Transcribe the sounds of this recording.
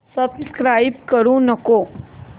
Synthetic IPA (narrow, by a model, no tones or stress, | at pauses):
səbskɾaːɪbkəɾũnəko